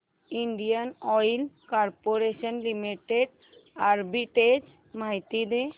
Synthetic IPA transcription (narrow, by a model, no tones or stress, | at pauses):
iɳɖijanɔjlkaɾpoɾeʃɔnlimiʈeɖ | aɾbiʈed͡ʒ | majt̪id̪e